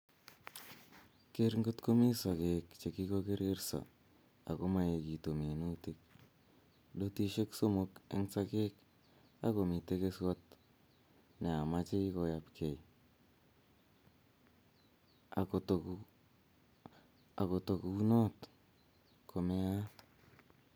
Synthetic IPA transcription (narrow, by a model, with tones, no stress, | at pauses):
ke˦ɾŋɡo˦tko˦mi˦sa˨ke˨kt͡ʃe˨ki˦ko˦ke˦ɾɪ˦ɾsa̰˨ | a̰˨ko˦ma˦je˨ki˨to˨me˨nu˦ti˦k̚ | ɗo˦ti˦ʃe˦kso˦mʊ˦kḛ˦ŋsa˦ke˦k | a̰ko˨mi˨te˦ke˦swa˦t | ne˨a˨ma˦t͡ʃi˦ko˨ja˨pkʰe˨j | a˨ko˨tok | a˨ko˨to˨ku˦no˦t | kʰo˨me˦a˦